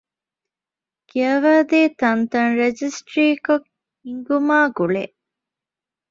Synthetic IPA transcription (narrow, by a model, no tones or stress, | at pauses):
kiɐʋaːd̪eːt̪ɐnt̪ɐnɾed͡ʒisʈɾiːkok | iŋɡumaːɡuɭeːʔ